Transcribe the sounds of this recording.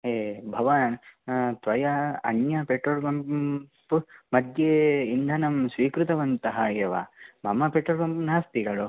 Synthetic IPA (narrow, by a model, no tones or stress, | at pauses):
ɦeːbʱɐʋant̪ʋɐjɐɐ̰njɐpeːʈːoɾɡɐmpumɐd̪jeind̪ʱɐnɐmsʋiːkɾut̪ɐʋɐnt̪ɐɦɐeːʋa̰mɐmɐpeːʈːɐɾɡɐmpnaːst̪iɡɐɭu